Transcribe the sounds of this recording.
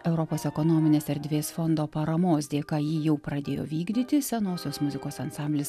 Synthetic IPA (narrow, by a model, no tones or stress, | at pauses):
ɛʊɾɔpoːsɛkonoːmʲɪnʲeːsɛɾʲd̪ʲʋʲeːsfɔnd̪oːpɐɾɐmoːsd̪ʲeːkɑːjiːjɛʊpɾɐd̪ʲeːjo̰ːʋʲiːɡd̪ʲiːt̪ʲɪsʲɛnoːsʲoːsmʊzʲɪkoːsɐnsɑmʲbʲlʲɪs